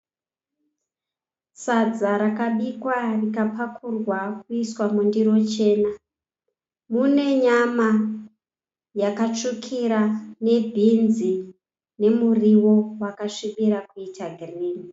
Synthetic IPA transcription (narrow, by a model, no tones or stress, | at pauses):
sad͡zaɾakaɓikwarikapakʰurwakuiswamundiɾo̞t͡ʃe̞ːna | mune̞ɲama | jakat͡ʂukʰiɾane̞bʱinzi | ne̞muriwo̞wakaʂiɓiɾakuitʰaɡʱiriːni